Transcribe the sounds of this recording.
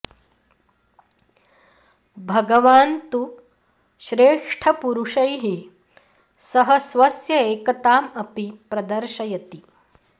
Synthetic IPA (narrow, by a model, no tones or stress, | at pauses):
bʱɐɡɐʋaːnt̪u | ʃɾeːʂʈʰɐpuɾuʂɐjɦi | sɐɦɐsʋɐsjɐeːkɐt̪aːmɐpipɾɐd̪ɐɾʃɐjɐt̪i